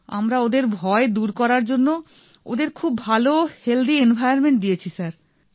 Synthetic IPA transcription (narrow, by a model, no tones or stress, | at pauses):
a̰mɾaod̪eɾbʱɔed̪uɾkɔɾaɾd͡ʑonːo | o̰d̪eɾkʰubːʱaloheld̪ienbʱajoɾmeɳʈ̚d̪ijet͡ɕʰisaɾ